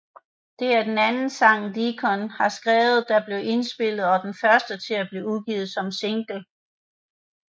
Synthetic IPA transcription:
d̥e̝æɐd̥enænn̩sɑ̈ŋ̰nd̥ikʰɒ̽nhɑ̈sɡ̥ʁɛːʊð̞̩ˠd̥ɑ̈b̥le̝ʊʔe̝nsb̥e̝l̰ð̩ˠɒ̽d̥enfɶɐsd̥ət͡sʰe̝æb̥liːuɡ̥iːð̞̩ˠsɒ̽mse̝ŋɡ̥l̩

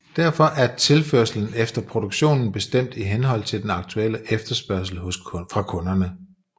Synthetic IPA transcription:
d̥æɐfɒ̽ʔæɐt͡sʰe̝lføɐsl̩n̩efd̥ɐpʰʁo̝d̥oɡ̥ɕo̝̰ːnn̩b̥e̝sd̥em̰d̥iɦenɦɒ̽l̰t͡sʰe̝ld̥enɑ̈ɡ̥̚t͡sʰuel̰əʔefd̥ɐsb̥ɶɐs̬l̩hɔ̽sfʁɑ̈kʰɔ̽nɐnə

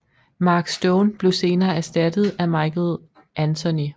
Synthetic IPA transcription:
mɑ̈ːɡ̥sd̥oʊnb̥le̝ʊse̝ːnɐːæɐsd̥æd̥ð̞̩ˠæmɑ̈ɪkl̩ˠ | ʔænt͡sʰo̝ni

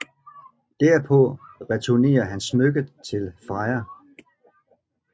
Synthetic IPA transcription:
d̥æɐ̰pʰɔ̽ʁɛt͡sʰune̝̰ːɐɦænsmøɡ̥əðt͡sʰe̝lfɑ̈ɪɐ

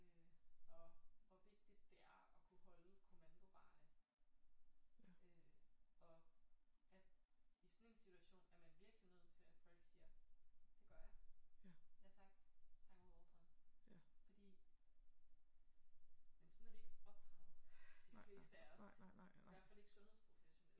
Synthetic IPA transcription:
øɒ̽ʋɒʋe̝ɡ̥̚d̥id̥ːe̝æɐɒ̽kʰuhɒ̽ləuð̰ˠkʰumænɡ̥oʋ̥ɑ̈ː | ø | ɒ̽ | æd̥isnensit͡sʰuæɕo̝̰ːnæɐmænʋiɐɡ̥linøð̞̰ˠt͡sʰe̝æ̥fɒ̽l̰ɡ̥siːɐd̥e̝ɡ̥ɶɐjɑ̈ | jɑt͡sʰɑŋɡ̥t͡sʰɑ̈ŋɡ̥ˠɒd̥ɑ | fɒ̽d̥ḭː | mensɒ̽nædieɡ̥ɒ̽b̥d̥ʰʁɛð̩ˠd̥ifle̝̰ːsd̥əæɐɒsʋæɐfæle̝ɡ̥sɔ̽nhḛspʰʁo̝feɕo̝nel̰

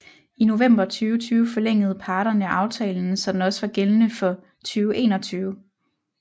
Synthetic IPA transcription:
ino̝ʋem̰b̥ɐt͡sʰyːʊət͡sʰyːʊəfɒ̽leŋ̰əð̞̩ˠpʰɑ̈ːɾ̥ɐnəæʔɑ̈ʊt͡sʰɛ̰ːln̩sɒ̽d̥ænɒ̽səʋɑ̈ɡ̥elnəfɒ̽ | t͡sʰyːʊʔe̝ːnɒ̽t͡sʰyːʊ

